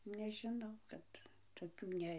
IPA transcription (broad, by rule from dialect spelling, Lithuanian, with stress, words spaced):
nʲɛʒʲɪˈnɐʊ ˈkɐt toːˈkʲuː ˈnʲɛ